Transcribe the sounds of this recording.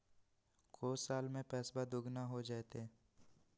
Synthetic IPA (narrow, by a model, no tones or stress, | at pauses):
koːsaːlmẽpɛːsbad̪ʊɡnaɦod͡ʒaːet̪eː